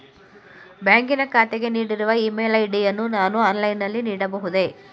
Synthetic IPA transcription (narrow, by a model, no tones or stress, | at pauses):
bjaːŋkinɐkaːt̪eɡe̞niːɽiɾuʋɐiːmeːlɐjɖijɐnːunaːnuɐːnlɐjnːɐlːiniːɽɐbɐɦud̪e̞